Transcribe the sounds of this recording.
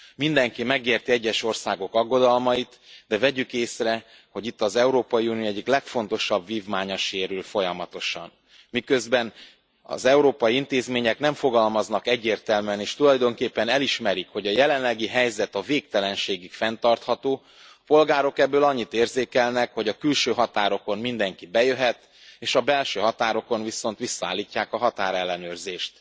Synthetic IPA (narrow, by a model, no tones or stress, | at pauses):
mind̪ɛŋkimɛɡeːrt̪iɛɟːɛʃo̞rsaːɡo̞kɒɡːo̞d̪ɒlmɒit̪d̪ɛvɛɟykeːsrɛ | ho̞ɟit̪ːɒzɛuɾoːpɒjiunioɛɟːiklɛkfo̞n̪t̪o̞ʃɒbviːvmaːɲɒʃeːɾylfo̞jɒmɒt̪o̞ʃɒ̰n | mikø̞zbɛn | ɒ̰zɛuɾoːpɒjiint̪eːzmeːɲɛknɛɱfo̞ɡɒlmɒznɒkɛɟːeːrt̪ɛlmyɛneːʃt̪ulɒjd̪o̞ŋkeːpːɛnɛliʃmɛɾikho̞ɟɒjɛlɛnlɛɡiɦɛjzɛt̪ɒveːk̚t̪ɛlɛnʃeːɡykfɛnt̪ɒrt̪hɒt̪oː | ɒpo̞lɡaːɾo̞kɛbːøːlɒɲːit̪eːrzeːkɛlnɛkho̞ɟɒkylʃøːɦɒt̪aːɾo̞ko̞nmind̪ɛŋkibɛjøɦɛt̪ | eːʃɒbɛlʃøːɦɒt̪aːɾo̞ko̞nviso̞n̪t̪ʋisːɒaːlːicːaːkɒɦɒt̪aːɾɛlːɛnøːrzeːʃt̪